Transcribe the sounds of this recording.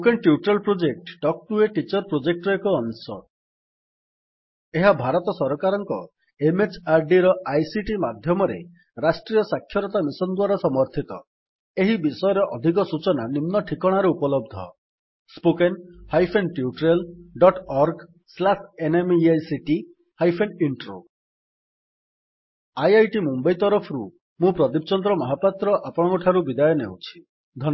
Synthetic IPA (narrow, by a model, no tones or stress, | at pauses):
pokenʈjuʈɾelpɾod͡ʒek̚ʈɖɔk̚ʈueʈit͡ʃɔɾpɾod͡ʒek̚ʈɾɔekuːnsɔ̰ | eɦabʱaɾɔt̪ɔsɔɾɔkaɾɔŋkɔ | emet͡ʃaɾɖiɾɔajsiʈimad̪ʱjɔmɔɾḛ | ɾasʈɾijɔsakʰːjɔɾɔt̪amisɔnd̪uwaɾɔsɔmɔɾt̪ʰit̪ɔ̰ | eɦibisɔjɔɾɔʔɔd̪ʱikɔsut͡ʃɔnanimnɔʈʰikɔɽ̃aɾɔupɔlɔb̚d̪ʱɔ̰ | spokenhajpʰenʈiuʈɾelɖɔʈɔɾɡ | slasʰenemajsiʈi | hajpʰeniɳʈɾo̰ | ajajʈimumbɔjt̪ɔɾɔpʰɔɾu | mũpɾɔd̪ipɔt͡ʃɔnd̪ɾɔmɔɦapat̪ɾɔʔapɔɽ̃ɔ̃kɔʈʰaɾubid̪ajɔnḛwt͡ʃʰi̥ | d̪ʱɔn